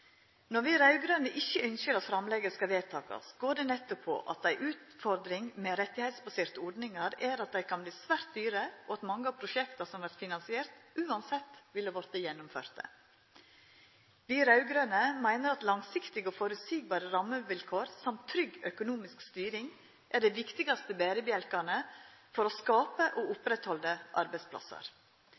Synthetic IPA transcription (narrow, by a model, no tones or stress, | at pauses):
nɔɾʋiːɾɑʉɡɾøːnəʔɪçəœnsəɾɑt̪fɾɑmlɛɡəskɑʋeːt̪ʰɑ̰ːkɑ̰sɡoːɖɛnɛt̪ːʊpʰːɔ̰ʔɑ̰t̪̚d̪æɪʔʉːt̪fɔɾd̪ɾɪŋmɛːɾɛt̪ːɪhæɪt̪sbɑseːɾt̪əɔɾɖnɪŋɑɾæːɾɑt̪̚d̪æɪkʰɑnbliːsʋæːɾt̪̚d̪yːɾəoɑt̪mɑŋːəɑːpʰɾʊʃɛkt̪ɑsɔmʋæɾt̪fɪnɑnsɪeːɾt̪ʔʉːɑnsɛt̪ːʋɪlːəʋɔɾt̪əjɛnːʊmfø̰ːɾt̪ə̰ | ʋiːɾɑʉɡɾøːnəmæɪnəɾɑt̪lɑŋsɪkt̪ɪɡoːfɔɾʉt̪siːɡ̚bɑːɾəɾɑməʋɪlkʰoːɾsɑmt̪ʰːɾʏɡœkʊnuːmɪskst̪yːɾɪŋ | ʔæɖæɪʋɪkt̪ɪɡɑst̪əbeːɾəbəjɛlkɑɳəfɔɾoskɑːpəʔoːʊpɾɛt̪hɔld̪əʔɑ̰ɾbæɪspʰlɑ̰sə̰ɾ